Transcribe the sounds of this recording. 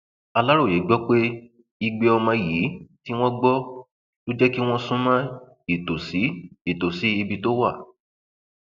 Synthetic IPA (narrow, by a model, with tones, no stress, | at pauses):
a˧la˦ɾo˦˨je˨˦ɡ͡bɔ˦k͡pe˦ | i˧ɡ͡be˧ɔ˧mã˧ji˨˦ti˦w̃ɔ̃˦ɡ͡bɔ˦ | jo˦d͡ʒɛ˦ki˦w̃ɔ̃˦sũ˦mã˦ | i˨to˨si˨˦i˦˨to˨si˨˦i˧bi˧to˦wa˦˨